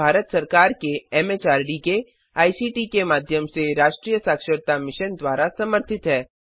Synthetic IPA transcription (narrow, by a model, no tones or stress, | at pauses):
aːɾət̪sɐɾkaːɾkeɛːmeːt͡ʃaːɾɖike | aːisiːʈikemaːd̪ʱjəmseɾaːʃʈɾiːjəsaːkʃəɾt̪amɪʃənd̪ʋaːɾasɐməɾt̪ʰɪt̪ɦɛː